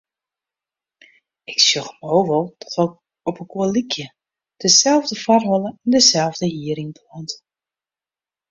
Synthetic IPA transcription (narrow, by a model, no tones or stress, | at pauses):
ɪksjøxmowʋɔlˠtʰɔ̥tok | ɔpəkolikʰjə | d̥əsɛlˠvdəfarɦɔlˠəɛndəsɛlˠvdəjiəɾɪŋplɔnt